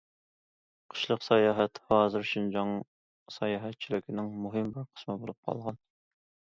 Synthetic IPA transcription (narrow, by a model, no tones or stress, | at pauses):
qʰə̥ʃlˠəqsɑjɑːɦɛt̪hɑːzɨɾʃind͡ʒɑŋ | sɛjɑːɦɛt̪̚t͡ʃʰilɪkʲʰinɪŋmuɦɨmbɪɾqʰə̥smɨbolˠup̚qʰɑ̰lˠʁɑn